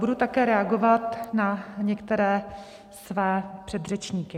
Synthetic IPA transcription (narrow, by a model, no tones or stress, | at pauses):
budut̪akɛːɾɛaɡovat̪naɲɛkt̪ɛɾɛː | svɛːpr̥ɛd̪rɛt͡ʃɲiːkɪ